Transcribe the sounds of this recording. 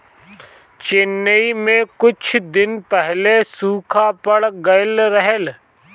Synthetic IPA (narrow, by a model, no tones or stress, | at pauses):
t͡ʃɪnːəimẽkʊt͡ʃʰd̪ɪnpɛɦlesuːkʰapɐɽɡɐlɾəɦel